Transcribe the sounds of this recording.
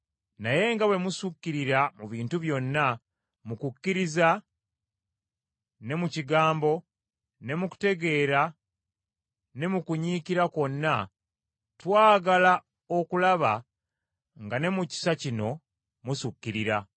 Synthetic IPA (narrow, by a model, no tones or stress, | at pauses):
naje̞ŋɡawe̞musukːiɾiɾamuβiːntuβjo̞nːa | mukukːiɾiza | ne̞muciɡaːmbo̞ | ne̞muku̥te̞ɡe̞ːɾa | ne̞mukuɲiːkiɾako̞nːa | twaːɡala | o̞kulaβa | ŋɡane̞muci̥sacino̞ | musukːiɾiɾa